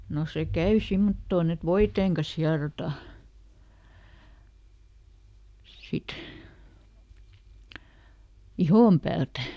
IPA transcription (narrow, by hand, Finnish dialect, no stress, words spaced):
no se kæy simːotːoːn et ʋoiteːŋ kɑs hiɑrotɑ sit ihom pæːltæ